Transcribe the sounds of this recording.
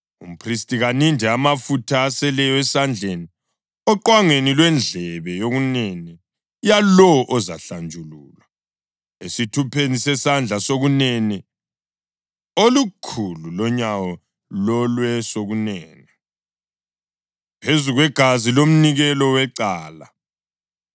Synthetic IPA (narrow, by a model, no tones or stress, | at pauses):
um̩pʰristʼiɣanindʱɛamafutʰaːsɛlɛjɔɛsand͡ɮʱeni | ɔǃwaŋenilwɛnd͡ɮʱɛβɛjoɣunɛnɛ | jalɔɔʔɔza̰ɬand͡ʒʱuluːlwa | esitʰupʰenisɛsand͡ɮʱasoɣunɛnɛ | olukʰululɔɲawɔ | lɔlwɛsoɣunɛːnɛ | pʰezuɣwɛɡ̥ʱazilom̩niɣɛlɔwɛǀaːla